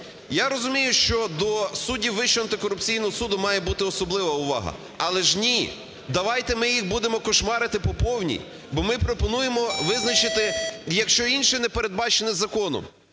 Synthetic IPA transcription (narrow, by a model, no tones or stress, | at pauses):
jaɾɔzʊmʲijʊʃt͡ʃɔd̪ɔsudʲiʋɪʃt͡ʃɛɐnt̪ɪkɔɾʊpt͡sʲijnɔɦɔsud̪ʊmɑjɛbut̪ɪɔsɔblˠɪʋɐʊʋɑ̰ɦɐ̰ | ɐlˠɛʒnʲi | d̪ɐʋɑjt̪ɛmɪjixbud̪emɔkɔʃmɑɾɪt̪ɪpɔpɔwnʲḭ | bɔmɪpɾɔpɔnujemɔʋɪznɐt͡ʃɪt̪ɪjɐkʃt͡ʃɔinʃɪnɛpeɾed̪̚bɑt͡ʃenɪzɐkɔnɔ̰m